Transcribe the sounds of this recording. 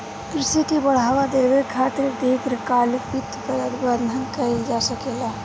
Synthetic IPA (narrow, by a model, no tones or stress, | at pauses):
kɾɪsikibəɽ̤aːwad̪ebekʰat̪ɪɾd̪iɡɾəkalpit̪pəɾət̪bənd̪ʱənkəid͡ʒasəkela